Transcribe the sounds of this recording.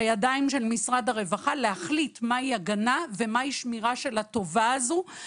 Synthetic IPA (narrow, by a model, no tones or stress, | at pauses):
ajadaimʃe̞lmisʁad̪aʁe̞vaχalehaχlitmaiaɡanave̞maiʃmiʁaʃe̞lat̪o̞vaazu